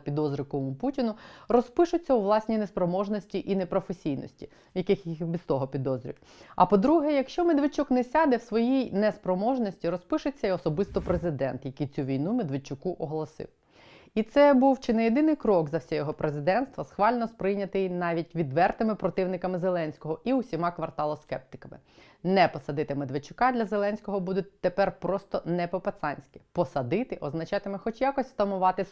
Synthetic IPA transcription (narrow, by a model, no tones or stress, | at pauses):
pʲid̪ɔzɾʲɪkɔʋɔmʊputʲinʊrɔspɪʃʊt͡sʲːɐuʋlˠɑsʲnʲinespɾɔmɔʒnɔsʲtʲiʔinɛpɾɔfesʲijnɔ̰sʲtʲi | jɐkɪxjixbʲist̪ɔɦɔpʲid̪ɔzɾʲḭw | ɐ̰pɔd̪ɾuɦɛjɐkʃt͡ʃɔmed̪ʋɪt͡ʃuknɛsʲɑd̪ɛwsʋɔjijnɛspɾɔmɔʒnɔsʲtʲiɾɔspɪʃʊt͡sʲːɐiɔsɔbɪst̪ɔpɾezɪd̪ɛ̰nt̪jɐkijt͡sʲuʋʲijnumed̪ʋɪt͡ʃʊkuʔɔɦlˠɔsɪ̰w | it̪sɛbuwt͡ʃɪnejed̪ɪnɪjkɾɔɡzɐwsʲɛjɔɦɔpɾezɪd̪ɛnst̪ʋɐsxʋɑlʲnɔspɾɪjnʲɐt̪ɪjnɑʋʲitʲʋʲid̪ʋɛrt̪ɪmɪpɾɔt̪ɪwnɪkɐmɪzelˠɛnʲsʲkɔɦɔiwsʲimɑkʋɐrt̪ɑlˠɔskɛp̚t̪ɪ̥kɐmɪ̰ | nɛpɔsɐd̪ɪt̪ɪmed̪ʋɪt͡ʃʊkɑd̪ʲlʲɐzelˠɛnʲsʲkɔɦɔbud̪ʊt̚ʲt̪ːepɛrpɾɔst̪ɔnɛpɔpet̪sɑnʲsʲkʲɪpɔsɐd̪ɪt̪ɪʔɔznɐt͡ʃɑt̪ɪmɛxɔt͡ʃʲjakɔsʲst̪ɐmʊʋɑt̪ɪ